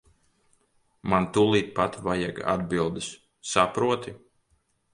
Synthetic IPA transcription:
mant̪ulˠiːt̪̚pat̪vajaɡa̰d̪bilˠd̪ɨs | sapɾuɔt̪i

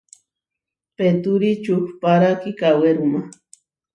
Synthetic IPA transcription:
pet̪uɾit͡ʃuxpaɾakikaweɾuma

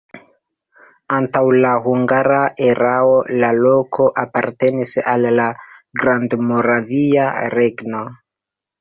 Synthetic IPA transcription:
antawlahuŋɡaɾaʔe̞ɾaolalo̞kʰo̞ʔapaɾte̞nisalːaɡɾandmo̞ɾaviaɾe̞ɡno̞

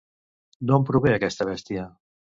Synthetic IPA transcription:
nompɾuβeəkɛst̪əβɛst̪iə

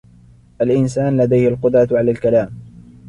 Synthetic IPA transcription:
ʔalʔɪnsaːnlad̪ajhɪlqʊd̪ɾˤɑʕalaːlkalaːm

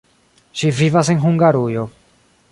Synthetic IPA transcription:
ʃivivas̬eŋxuŋɡaɾujo

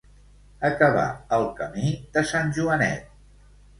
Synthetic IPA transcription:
əkəβa̰əlˠkəmid̪əsanʲʒuənɛ̰t̪̚

